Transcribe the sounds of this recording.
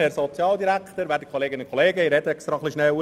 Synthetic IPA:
hɛɾsɔt͡sjɑːldiɾæktəɾʋæːtdə̥kʰoleːɡɪnənkʰoleːɡəiɾɛtəɛkst̪ɾɑχliʃnɛw

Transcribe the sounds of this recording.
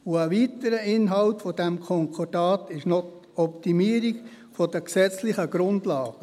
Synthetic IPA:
ʊəʋiːtəɾəɪnɦɑltfɔdɛmkʰɔŋkʰɔd̥ɑːtɪʃnɔ | ɔptimiːəɾiɡ | fɔdəksɛt͡slɪχəɡ̥ɾʊndlɑːɡ̥ə

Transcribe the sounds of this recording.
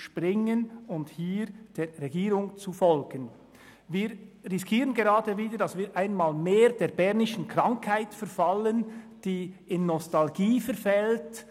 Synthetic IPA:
ʃpʁɪŋənʊnthiːɾd̥eːʁɛɡiːɾʊŋt͡sufɔlɡ̥ən | viːɾʁɪskʰiːʁənɡeʁɑːdəviːdəɾd̥ɑsviːɾʔaɪnmaːlmeːɾd̥eːbɛʁnɪʃən̩kʁɑŋkhaɪtfɛɐfalənd̥iːɪnːɔstalɡiːfɛɾfɛlt

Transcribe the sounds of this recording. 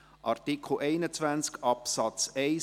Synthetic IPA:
ʔɑɾtikʰl̩ʔɛɪnət͡svænt͡skɑpsɑt͡sɛɪ

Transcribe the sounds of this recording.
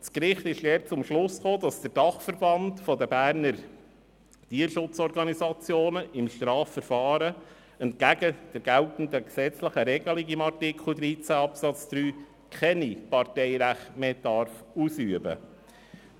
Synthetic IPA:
skɾɪχt̪ɪʃdɛːt͡sʊmʃlʊsχoːd̥ɑsd̥əɾd̥ɑχfəɾb̥ɑntfɔdəbæːɾnəɾ | tiːəɾʃʊt͡sɔɾɡɑnisɑt͡sjoːnəɪmʃtɾɑːfːəɾfɑːɾə | ɛnt̚ɡ̥æɡ̥əd̥əɾɡ̥æltn̩d̪əksɛt͡sləχəɾɛɡəlɪɡɪmɑrtɪkʰl̩d̪ɾiːt͡sæɑpsɑt͡sd̥ɾyː | kʰɛnipɑɾtɛɪɾæχtmeːd̥ɑɾfusyəbə̰

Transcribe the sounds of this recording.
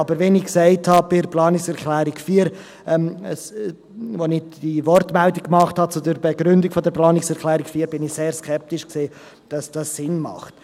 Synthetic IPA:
ɑbəɾʋɛniksɛɪthɑb̥ɪɾplɑːnɪksɛɾklɛːɾɪkfiːəɾ | ɛməs | vonɪd̥ivɔɾtmɛldɪkkːmɑχthɑt͡sudəɾbɛɡ̥ɾʏndɪkfodəɾplɑːnɪksɛɾkʰlɛːɾikfiːɾbɪniseːɾskʰɛp̚tɪʃkseː | d̥ɑsd̥ɑsːɪnmɑ̰χt

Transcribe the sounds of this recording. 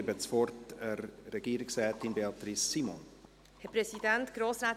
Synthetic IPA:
bəsfɔrtərːɛɡiːəɾɪksrɛːtinbeɑt̪ɾisːimɔn | hɛpɾɛsidɛntɡ̥ɾoːsɾaː

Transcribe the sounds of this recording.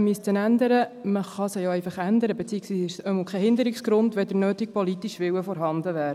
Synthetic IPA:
mystənænd̪əɾəməχɑsəjoɛɪfɑχænd̪əɾəbet͡siːəksʋiːsɪʃsœməlkʰɛhɪnd̪əɾiksɡɾʊndʋɛd̥əɾnøːtik̚pɔlitiʃʋɪwəfɔɾɦɑnd̪əʋæːɾə

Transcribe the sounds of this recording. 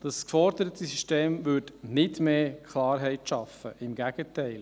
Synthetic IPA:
d̥ɑskfɔɾdəɾət̪ʰəsyʃteːmvʏɾdnɪdmeːkχlɑːɾɦɛɪtʃɑfəʔɪmɡæɡ̥ətɛɪl

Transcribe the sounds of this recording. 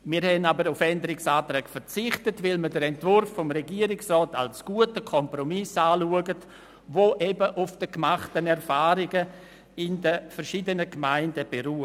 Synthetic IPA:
mɪːɾhɛnabəɾʊfɛndəɾɪksaːtɾɛːɡfəɾt͡sɪχtətvɪlmədəɾɛntvʊɾfːɔmɾɛɡiːɾɪksrɔːta̰lsɡ̥uətəkʰɔmpɾɔmɪsaːluəɡət | voːʔɛbəʔʊfd̥əkmaχtənɛɾfaːɾɪɡə | ɪndəfɛɾʃiːdənəɡmaɪndəb̥eɾuː

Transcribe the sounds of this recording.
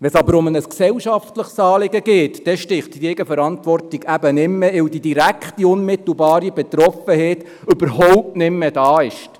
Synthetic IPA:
ʋɛsɑbəɾʊmənəsksɛwʃɑftləχsɑːlɪɡəɡeːtd̥ɛʃtɪχtɡeːɡəfəɾɑntʋɔrtiɡ̥æbənɪmːɛɪwdidiɾækχtiʊnmɪt̪l̩bɑːɾibɛt̪ɾɔfəhɛːt̪ | ʏbəɾhɔwp̚tnɪmːɛd̥ɑːɪʃt

